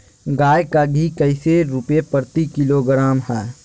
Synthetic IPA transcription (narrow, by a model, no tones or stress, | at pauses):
ɡaːjkaɡʱikəɪseɾʊpepəɾt̪ikɪloɡɾaːmɦɛː